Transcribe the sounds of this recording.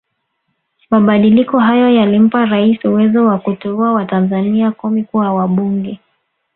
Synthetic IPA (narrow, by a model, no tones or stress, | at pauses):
maɓaɗilikɔɦajɔjalim̩paɾaisuwɛzɔwakutɛuawatanzaniakɔmikuawaɓuŋɡɛ